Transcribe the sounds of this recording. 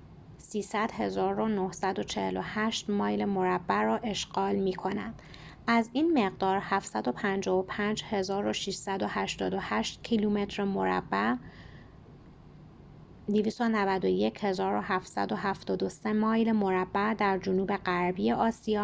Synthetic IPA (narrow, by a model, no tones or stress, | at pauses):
siːsæd̪̥he̞zɒːɾo̞nohsæd̪o̞t͡ʃʰe̞hḛlohæʃt̪mɒːjlemo̞ɾæbːæɾɒːʔe̞ʃɢ̥ɒːlmiːkʰo̞næ̰nd̪̥ | æziːnme̞ɣd̪ɒːɾhæfsæd̪o̞pʰænd͡ʒɒːvopʰænd͡ʒhe̞zɒːɾo̞ʃiʃsæd̪o̞hæʃt̪ɒːd̪o̞hæʃt̪cʰilume̞t̪ʰɾemoɾæ̰bːæ | d̪iviːst̪onævæd̪oje̞cʰhe̞zɒːɾo̞hæft̪sæ̰d̪o̞ɦæft̪ɒːd̪ose̞mɒːjlemo̞ɾæbːæd̪æɾd͡ʒonuːbe̞ɢæɾbijeʔɒːsijɒː